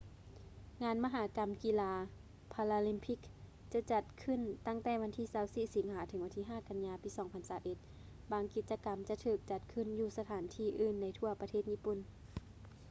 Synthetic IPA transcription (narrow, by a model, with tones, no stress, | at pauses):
ŋaː˧˥nma˧ɦaː˨˦ka˧˦mki˧˨laː˧ | pʰaː˧laː˧li˧˥mpʰi˧˩k̚ | t͡ɕa˧˦t͡ɕa˧t̪̚kʰɯ˧˨nt̪a˧˥˩ŋt̪ɛː˧˩ʋa˧nt̪ʰiː˧˩˨saː˧˦wsiː˧˩si˨˩˦ŋhãː˨˩˦t̪ʰɤ˨˩˦ŋʋa˧nt̪ʰiː˧ɦaː˥˩˨ka˧nɲaː˧piː˧˦sɔː˨˦ŋpʰa˧nsaː˨˩˦wʔe˧˦t̪̚ | baː˧ŋki˨˧t̪̚t͡ɕa˧ka˧˦mt͡ɕa˧˦t̪ʰɯː˧˩k̚t͡ɕa˧˦t̪̚kʰɯ˧˨njuː˧˩sa˧t̪ʰaː˨˦nt̪ʰiː˧˩ʔɯː˧˩nːa˧˥jt̪ʰu˧ɐpa˧t̪ʰeː˥˩t̪̚ɲiː˧˥˨pu˧˩˨n